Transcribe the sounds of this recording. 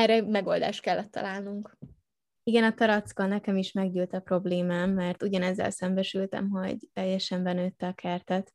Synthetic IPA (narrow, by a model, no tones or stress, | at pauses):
ɛrɛmɛɡo̞ld̪a̰ːʃt̪kɛlːɛt̪ːɒ̰laːlnuŋk | iɡɛnɒt̪ɒɾɒt̪skɒːlnɛkɛmiʃmɛɡɟyːlt̪ɒpro̞bleːmaːmːɛrt̪uɟɒnɛzːɛ̰lsɛmbɛʃylt̪ɛ̰mɦo̞̰ɟt̪ɛjːɛʃɛmbɛnøːt̪ːɛɒkʰɛrt̪ɛt̪